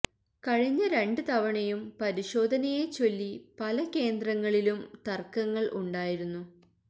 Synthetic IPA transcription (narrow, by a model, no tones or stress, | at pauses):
kɐɻiɲːɐɾe̞ɳɖɨt̪ɐʋɐɳɐjumpɐɾiɕo̞ːd̪ʱɐnɐjet͡ɕːo̞lːipɐlɐke̞ːnd̪rɐŋːɐɭilumt̪ɐrkɐŋːɐɭʔuɳɖaːjiɾunːu